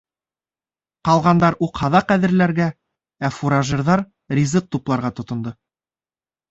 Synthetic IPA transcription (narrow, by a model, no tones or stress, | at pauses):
qɑlˠʁɑnd̪ɑɾuqhɑðɑqæðɘ̆ɾlæɾɡæ | æfuɾaʒɘɾðɑɾ | rʲizɤq̚t̪uplˠɑɾʁɑt̪ŏt̪ŏnd̪ɤ